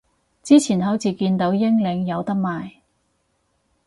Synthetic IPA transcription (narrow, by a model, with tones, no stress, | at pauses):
t͡siː˥t͡sʰiː˨˩nɦɐ˨˥wt͡siː˨˩kiː˧nt̪o˨˥wjɪ˥ŋlɪ˨˧ŋjɐ˨˧wt̪ɐ˥k̚maː˨j